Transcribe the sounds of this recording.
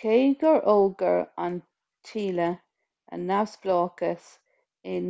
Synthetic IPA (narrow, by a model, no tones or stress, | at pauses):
kʰeːɡəɹʔolɡəɹan | tʰiːlə | ə̰nːawsb̥lɑːkəs | ɪn